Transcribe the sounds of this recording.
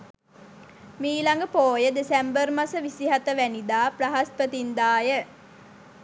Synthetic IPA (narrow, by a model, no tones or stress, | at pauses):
miːlaŋɡəpoːjəd̪esæmbərmasəʋisiɦat̪əʋænid̪aːpraɦaspət̪ind̪aːjə